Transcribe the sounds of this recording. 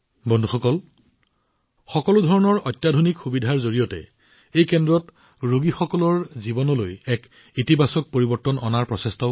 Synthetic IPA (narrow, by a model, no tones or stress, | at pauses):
bɔndʱuxɔkɔl | xɔkɔlʊdʱɔɹɔnɔɹɔjtːjadʱonikxubidʱaɹzoɹijɔtɛ̰ | ejkɛndɹɔt | ɹuɡixɔkɔlɔɹzibɔnɔlo̰jɛk | itibasɔk̚poɹibɔɹtːɔnɔ̰naɹpɹɔsɛstɔ